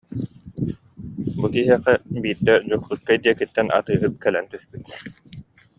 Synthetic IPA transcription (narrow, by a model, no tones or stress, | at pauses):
bukiɦiɛqɛbiːɾd̪ɛd͡ʑuχt̪ut̪̚kajd̪iɛkit̪ːɛnʔa̰t̪ɯːɦɯp̚kɛlɛnt̪yspyt̪